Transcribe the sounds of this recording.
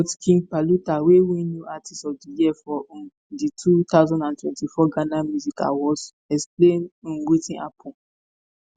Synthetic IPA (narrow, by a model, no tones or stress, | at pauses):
ɔtkʰĩŋpalutawewĩnjuʔatʰistɔvdijiɛfɔ̃ | ditʰut̪aʊzãndãntwɛ̃ntifɔɡãnamjuzika̰wɔs | ɛksplẽnĩnwitĩnapʰɔ̃